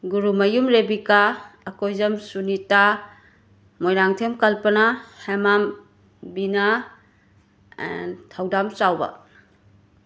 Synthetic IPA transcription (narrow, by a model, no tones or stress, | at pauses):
ɡuɾumɐjumɾebikaːkojzɐmsunita | mojɾaŋtʰemkɐlpɐnahemam | bina | ntʰawdamt͡ʃawbɐ̰